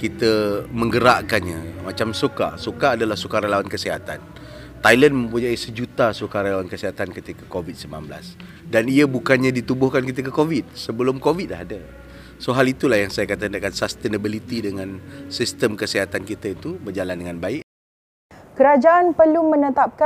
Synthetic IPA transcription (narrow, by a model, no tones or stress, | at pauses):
kit̪əmə̃ŋɡəɾaʔkanɲamat͡ʃamsoka̰sokaːdalahsukaɾalawankəsiɦat̪an | t̪alən̚mə̃mpuɲaisəd͡ʒut̪asukaɾalawankəsiɦat̪ankət̪ikakovid̪̚səmla̰nbəla̰s | daniəbukanɲadit̪ubʊhkankit̪əkəkovit̪̚səbəlʊmkovit̪̚aɦada | soɦalit̪ulahjaŋsajakat̪andakansast̪enəbilit̪idəŋãnsist̪əmkəsiɦat̪ankit̪aint̪ubərd͡ʒalandəŋanbaɪʔ | kəɾad͡ʒaʔanpəlumənət̪ap̚ka